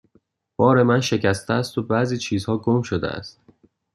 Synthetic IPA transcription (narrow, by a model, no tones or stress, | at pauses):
b̥ɒːɾe̞mænʃe̞cʰæst̪eæst̪o̞bæːziːt͡ʃʰiːzhɒːɡomʃod̪eʔæ̰st̪